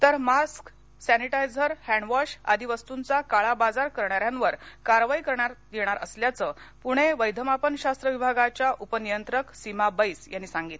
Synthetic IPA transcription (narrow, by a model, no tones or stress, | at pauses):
t̪əɾmask | sæniʈajd͡zəɾhæɳɖʋɔɕa̰d̪ʱiʋəst̪unt͡sakaɭabad͡zaɾkəɾɳaɾjãnʋəɾkaɾʋaikəɾɳaɾd̪eɽ̃aɾʔəsljat͡səpuɽ̤̃eʋəjd̪ʱəmapənɕast̪ɾəʋibʱaɡat͡ɕjaʔupənijənt̪ɾəksimabəjsjanːisãŋɡiːt̪